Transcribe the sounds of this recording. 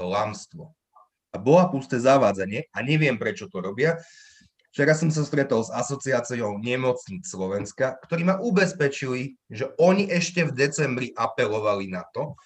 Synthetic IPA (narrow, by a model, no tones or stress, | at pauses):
t̪ɔlamst̪ʋɔ | abɔlapust̪ɛːzaʋaːd͡zaɲɪɛaɲɛʋɪɛmpɾɛt͡ʃɔt̪ɔɾɔbɪa | ft͡ʃɛɾas̬ːɔms̬ast̪ɾɛt̪ɔlzasɔt͡siaːt͡siɔʊɲɛmɔt͡sɲiːt͡sslɔʋɛnskakt̪ɔɾiːmaʔubɛspɛt͡ʃiliʒɛɔɲiʔɛʃcɛvd̪ɛt͡sɛmbɾiʔapɛlɔʋalinat̪ɔ